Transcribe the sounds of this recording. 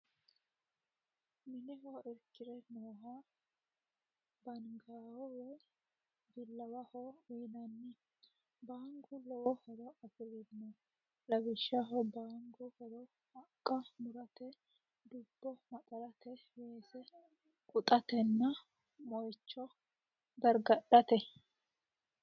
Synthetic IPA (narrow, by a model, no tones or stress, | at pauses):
mɪnɪɦɔɪɾkːɪɾɛnoːɦa | bɐnɡaːwɔwɛj | bɪlːɐwɐhɔwiːnɐnːɪ | baːŋɡʊlɔwɔhɛɾɔɐfɪɾɪd̪nɔ | lɐbɪʃːɐɦɔbaːŋɡʊhɛɾɔ | hɐkʼːɐmʊɾɐt̪ɛ | d̪ʊbːɔmɐtʼɐɾɐt̪ɛ | beːsɛ | kʼʊt̪ʼɐt̪ɛnːɐ | mɔjt͡ʃːɔ | d̪ɐɾɡɐɗɐt̪ɛ